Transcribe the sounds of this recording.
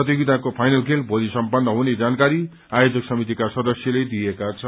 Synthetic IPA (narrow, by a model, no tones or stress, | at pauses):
ʌt̪iɡid̪akopʰajnʌlkʰelbʱolisʌmpʌnːʌɦuned͡zankaɾi | ajod͡zʌksʌmit̪̬ikasʌd̪ʌsjʌled̪ijekat͡sʰʌ